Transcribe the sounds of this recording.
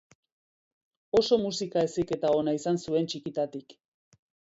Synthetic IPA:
o̞so̞musikae̞sike̞t̪ao̞naisansue̞nt͡ʃikit̪at̪ik

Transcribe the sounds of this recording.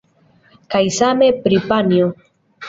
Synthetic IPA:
kajsame̞pɾipanjo

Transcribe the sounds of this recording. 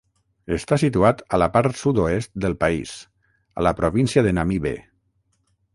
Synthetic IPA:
əst̪asit̪uat̪əlapaɾt̪sud̪oest̪̚d̪əlˠpaḭs | a̰ləpɾoβinsjaðenamiβḛ

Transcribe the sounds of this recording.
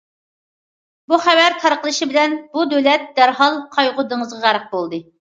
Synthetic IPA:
buχævæɾt̪ʰɑɾqəlˠɨʃibɪlɛnbud̪ølɛt̪̚d̪̥æɾɦɑlˠqʰɑjʁʊd̪ɨŋəzʁɑʁæɾq̚bolˠd̪ɨ

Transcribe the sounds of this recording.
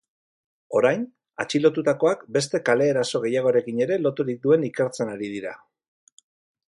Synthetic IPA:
o̞ɾajn | at͡ʃilo̞t̪ut̪ako̞akbe̞st̪e̞kale̞ːɾaso̞ɣ̞e̞jaɣ̞o̞ɾe̞kiɲe̞ɾe̞lo̞t̪uɾik̚d̪ue̞nike̞ɾt͡se̞naɾið̞iɾa

